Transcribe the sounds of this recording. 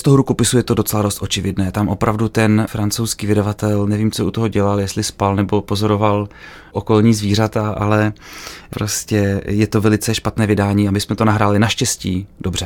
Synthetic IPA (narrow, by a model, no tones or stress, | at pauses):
st̪oɦoɾukopɪsujɛt̪o̞do̞t͡sɛladost̪ʔo̞t͡ʃɪvɪdnɛːt̪amʔo̞pɾavdut̪ɛnfɾant͡sowskiːvɪdavat̪ɛlnɛviːmt͡soʔut̪oɦo̞ɟɛlaljɛst̪lɪspalnɛbopo̞zo̞ɾo̞val | ʔoko̞lɲiːzviːr̝at̪aʔa̰lɛpɾo̞scɛjɛt̪o̞vɛlɪt͡sɛʃpat̪nɛːvɪdaːɲiːamɪsmɛt̪o̞naɦɾaːlɪnaʃcɛsciːdo̞br̝ɛ